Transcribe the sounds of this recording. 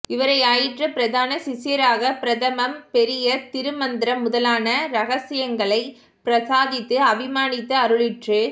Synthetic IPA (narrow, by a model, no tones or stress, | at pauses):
ɪʋɐɾɐɪaːjɪʈrɐpɪɾɐðaːnɐsɪsɪjɐɾaːɣɐpɪɾɐðɐmɐmpɛɾɪjɐt̪ɪɾɯmɐnd̪ɪɾɐmʊðɐlaːnɐɾɐɣɐsɪjɐŋɡɐɭɐɪ | pɾɐsaːðɪt̪ːɯɐʋɪmaːnɪt̪ːɐɐɾɯɭɪʈrɯ